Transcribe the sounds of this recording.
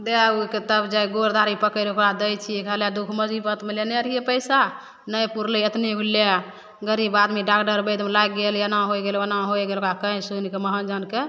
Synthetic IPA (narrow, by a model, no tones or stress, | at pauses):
d̪euket̪əbd͡ʒajɡoɾd̪ʱaɾipəkəjlokɾad̪əjt͡ʃʰikəled̪ukʰməd͡ʒibət̪meleneəɾijepəjsa | nəjpuɾləət̪niɦule | ɡəɾibad̪miɖakɖəɾbəjd̪mlajɡɡeljənaɦojɡelənaɦojɡelokakəĩsunkeməɦənd͡ʒənke